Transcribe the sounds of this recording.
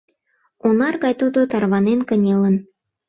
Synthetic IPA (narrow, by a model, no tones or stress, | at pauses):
onɑrɣɑjt̪od̪ot̪ɑrβɑnenkə̆nʲelə̆n